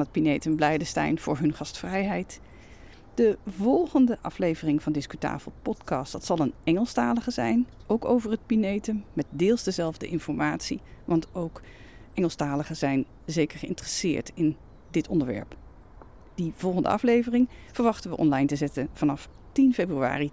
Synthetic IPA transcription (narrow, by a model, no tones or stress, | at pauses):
nɦət̚pinejtəmblɛjdəstɛ̰jnv̥ʊ̰ːɹɦɵnχɑstfrɛjɦɛjt | d̥əvɔlˠχəndəʔɑflejvərɪŋvɑndɪskyta̰ːv̥əlˠpɔtkɑstd̥ɑtsɑlˠənɛŋəlˠstaːləχəzɛjn | owkowvəɹɦət̚pinejtəmːɛt̚dɪːlˠzdəzɛlˠvdə̰ʔɪnfɔɹmaːtsiʋɑntowk | ʔɛŋəlˠstaːləχəzɛjn | zejkəɹχəɪ̰ntərəsɪ̰ːɹtɪn | dɪtɔndəɹʋɛ̰ɹp | d̥iv̥ɔlˠχəndə̰ɑflejvərɪŋv̥əɹʋɑχtəʋəʔɔ̰nlɑjntəzɛtənv̥ɑnɑf | tinfejbrya̰ːri